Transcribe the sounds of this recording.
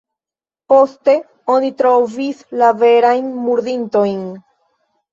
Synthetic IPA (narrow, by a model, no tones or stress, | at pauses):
po̞ste̞ | o̞nit̪ɾo̞vislave̞ɾajnmuɾd̪int̪o̞jn